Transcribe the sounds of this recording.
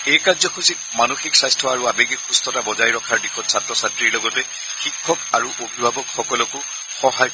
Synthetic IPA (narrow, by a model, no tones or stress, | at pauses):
ejkaɹzɔkʰusik̚manoxiksajstʰɔaɹuabeɡikxustɔtabɔzajɹɔkʰaɹdixʰɔtsatɹɔsatɹiɹlɔɡɔtɛ | xikʰːɔkaɹuʔobʱibʱabɔkxɔkɔlɔkʊ | xɔɦaj